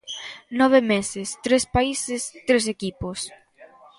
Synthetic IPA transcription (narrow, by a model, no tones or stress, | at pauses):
nɔβ̞emesest̪ɾespaisest̪ɾes̬ekipos